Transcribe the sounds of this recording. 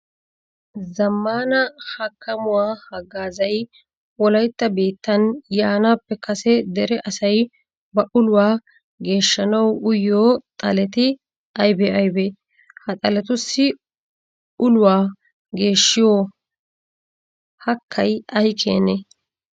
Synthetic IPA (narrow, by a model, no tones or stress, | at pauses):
zɐmːaːnɐhɐkʰːɐmʊwaːhɐɡːaːzɐj | wɔlɐjt̪ːɐbe̞ːt̪ːɐnjaːnaːpːɛkɐsɛd̪ɛɾɛʔɐsɐj | bɐʔʊlʊwaː | ɡe̞ːʃːɐnɐwʊjoːt̪ʼɐlɛt̪ɪ | ɐjbɛɐjbɛ | hɐt̪ʼɐlɛt̪ʊsːɪ | ʔʊlʊwaː | ɡe̞ːʃːɪjoː | hɐkʰːɐjɐjkʰḛːnɛ